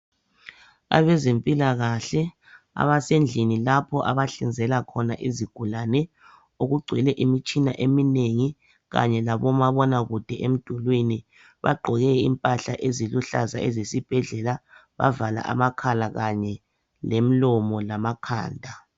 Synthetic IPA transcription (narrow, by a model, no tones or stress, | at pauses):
a̰βɛzempʼilaɣaɬɛ | a̰βasend͡ɮʱinilapʰɔʔaβaɬind͡zʱɛlakʰɔnaʔiziɡ̥ʱulanɛ | oɣuɡ͡ǀʱwilɛʔimit͡ʃʼina̰ʔemineŋi | ɣa̰ɲɛlaβɔmaβɔnaɣud̥ʱɛʔem̩d̥ʱulwini | βa̰ɡ͡ǃʱɔɣɛimpʼaɬaʔeziluɬaza̰ʔezesib̥ʱɛɮɛla | βa̰vala̰ʔa̰makʰalaɣaɲɛ | lem̩lɔmɔlamakʰa̰ːndʱa